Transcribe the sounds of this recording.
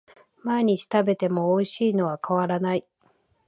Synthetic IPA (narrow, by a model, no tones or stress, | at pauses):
maeɲ̟it͡ɕi̥t̪abe̞t̪e̞mo̞ːiɕiːno̞βakaβaɾanai